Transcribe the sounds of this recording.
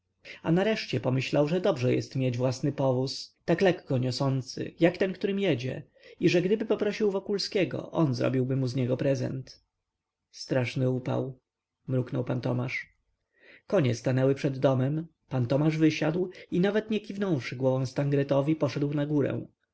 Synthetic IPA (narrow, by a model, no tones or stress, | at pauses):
anaɾɛʂt͡ɕɛpɔmɘɕlawʐɛd̪ɔbʐɛjɛ̰st̪mʲjed͡ʑvwasnɘpɔvust̪aklɛkːɔɲɔsɔnt̪sɘ̰jakt̪ɛnkt̪uɾɘmjɛd͡ʑɛ̰ | iʐɛɡd̪ɘbɘpɔpɾɔɕiwvɔkulskʲɛɡɔ̰ʔɔnzɾɔ̰bʲiwbɘmuzɲɛɡɔpɾɛzɛ̰nt̪ | st̪ɾaʂnɘupa̰w | mɾuknɔwpant̪ɔmaʂ | kɔɲɛst̪anɛwɘpʂɛd̪ːɔmɛm | pant̪ɔmaʐvɘɕad̪winavɛt̪ɲɛkʲivnɔ̃w̃ʂɘɡwɔvɔ̃w̃st̪aŋɡɾɛt̪ɔvʲipɔʂɛd̪wnaɡuɾɛ̰w̃